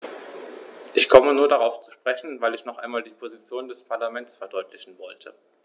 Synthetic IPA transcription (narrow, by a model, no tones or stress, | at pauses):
ʔɪçkʰɔmənuːɐdaʁaʊft͡su̥ʃpʁ̥ɛçn̩vaɪlɪçnɔχʔa̰ɪnmaːldiːpʰozit͡sjoːndɛspʰaɐlamɛntsfɛɐdɔʏtlɪçn̩vɔltʰə